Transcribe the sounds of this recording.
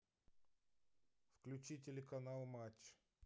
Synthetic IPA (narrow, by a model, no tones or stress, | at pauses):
fklʲʉt͡ɕitʲɪlʲɪkɐnalˠmat͡ɕː